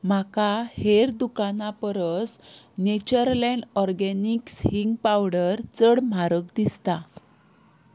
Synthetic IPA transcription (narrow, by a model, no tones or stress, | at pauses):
m̤akaheɾd̪ukanapəɾəs | net͡ɕəɾlɛ̃ɳɖɔɾɡɛnikshiŋɡpawɽəɾt͡səɽm̤aɾək̚d̪ist̪a